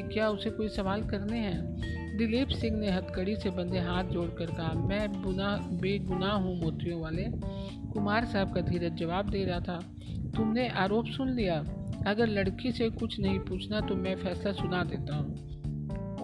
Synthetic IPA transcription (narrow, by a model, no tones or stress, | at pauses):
kjaːʊsekoːisɐʋaːlkɐɾneɦɛ̃ː | d̪ɪliːpsɪ̃ŋɡneɦɐt̪kəɽisebɐ̃nd̪eɦaːt̪̚ʰd͡ʒoːɽkɐɾkɐɦamɛ̃ːʊbeːɡʊnaɦɦũmɔːt̪ijõʋaːle | kʊmaːɾsaɦɛb̚kad̪ʱiːɾət̪̚d͡ʒɐʋaːb̚d̪eːɾɐɦat̪ʰaː | t̪ʊmneʔaːɾoːpsʊnlijaɐɡəɾlɐɽkisekʊt͡ʃʰnɐɦĩpuːt͡ʃʰnat̪omɛ̃fɛːslasʊnad̪eːt̪aɦũː